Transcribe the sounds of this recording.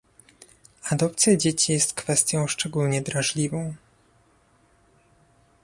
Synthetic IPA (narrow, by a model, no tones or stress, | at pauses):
ad̪ɔp̚t̪sʲjad͡ʑet͡ɕijɛst̪kfɛst̪ʲjɔ̃w̃ʂt͡ʂɛɡulɲɛd̪ɾaʐlʲivɔ̃w̃